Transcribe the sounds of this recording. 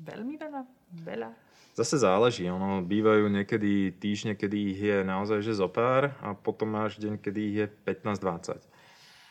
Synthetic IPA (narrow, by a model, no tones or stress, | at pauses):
ʋɛ̰ʎmiʋɛʎa | ʋɛ̰ʎa | zasɛzaːlɛʒiːɔnɔbiːʋajuːɲɛkɛd̪it̪iːʒɲɛkɛd̪iːɣjɛnaɔzajʒɛzɔpaːɾapɔt̪ɔmaːʒɟɛɲkɛd̪iːɦjɛpɛt̪naːzd̪ʋat͡sa̰c